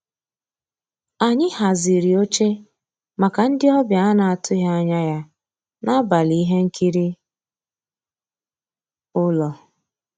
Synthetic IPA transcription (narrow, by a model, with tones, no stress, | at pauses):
a˨ɲɪ˦ha˨zi˨ɾi˨o˦t͡ʃe˦ | ma˨ka˨n̩˦dɪ˦ɔ˦bja˨a˦na˨a˨tʊ˦ɦa˦a˦ɲa˦ja˦ | na˦ba˨li˦ɦe˦ŋ̩˦kʰi˦ɾi˦ | ʊ˦lɔ˨